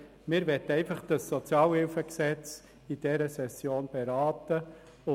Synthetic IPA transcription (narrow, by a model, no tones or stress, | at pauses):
mɪːɾʋɛtːəɛɪfɑχd̥ɑsːɔt͡sjɑːlhɪlfəksɛt͡s | id̥ɛɾəsɛsjoːnb̥eɾɑːtə | ʊ